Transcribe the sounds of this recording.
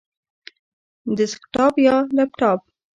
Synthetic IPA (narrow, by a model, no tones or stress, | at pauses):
d̪ɪskʈɑpjɑlɛp̚ʈɑp̚